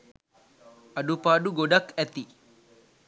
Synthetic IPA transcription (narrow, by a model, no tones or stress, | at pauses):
ɐɖupaːɖuɡoɖɐkɛt̪i